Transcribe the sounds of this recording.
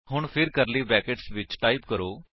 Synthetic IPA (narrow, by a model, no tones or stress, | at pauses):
ɦʊɳpʰɪɾkəɾliːbɛːkəʈsʋɪt͡ʃʈaːɪpkəɾoː